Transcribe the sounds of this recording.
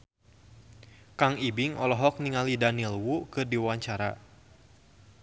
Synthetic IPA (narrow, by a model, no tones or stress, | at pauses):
kaŋibɪŋɔlɔɦɔk̚niŋalidanilwukɨdiwaɲt͡ʃaɾa̰